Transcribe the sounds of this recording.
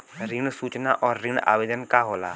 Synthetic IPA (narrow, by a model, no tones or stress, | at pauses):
ɾɪɳsuːt͡ʃna̰ːʔɔːɾːɪɳa̰ːʋeːd̪ənkaːɦoːlaː